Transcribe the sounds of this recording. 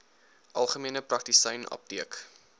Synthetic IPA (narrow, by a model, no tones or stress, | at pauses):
ʔɐlˠχəmiənəprɐk̚tisəjnʔɐ̰p̚tiək